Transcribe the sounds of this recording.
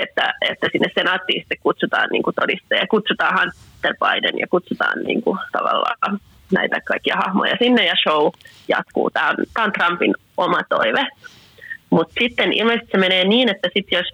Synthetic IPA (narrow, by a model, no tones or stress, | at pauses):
et̪ːæet̪ːæsinːessenɑːt̪ːiːsi̥t̪ːekkut̪sut̪ɑ̰ːnnḭːŋkut̪odist̪ɑjɑkut̪sut̪ɑːhɑnt̪ːerpɑidḛnjɑ̰kut̪sut̪ɑ̰ːnnḭːŋkut̪ɑʋɑ̰lːɑ̰ːkɑ | næ̰it̪ækɑikːiɑhɑhmo̰jɑsinːejɑʃou | jɑ̰t̪kṵːt̪æːont̪æːont̪rɑmpin | omɑt̪o̰iʋe | mut̪sit̪ːenʔḭlmest̪i̥semeneːniːnet̪ːæsit̪jos